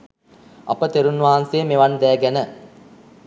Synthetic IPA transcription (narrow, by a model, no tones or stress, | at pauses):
ʔɐ̰pət̪eɾunːʋaɦanseːmeʋɐnd̪æːɡænə